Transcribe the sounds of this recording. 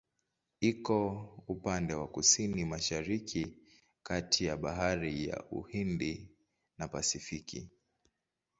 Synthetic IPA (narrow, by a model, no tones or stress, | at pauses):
ikɔupandɛwakusinimaʃaɾikʰi | katʰijaɓaɦaɾija̰ʔṵhindi | napasifikḭ